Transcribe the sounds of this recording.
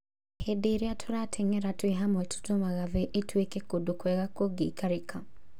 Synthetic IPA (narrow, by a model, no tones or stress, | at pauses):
hedeɾeatʰoɾatʰɛŋɛɾatweɦamwɛtʰu̥tomaɣavɛʔetwekɛkodokwɛɣakoɡikaɾekʰa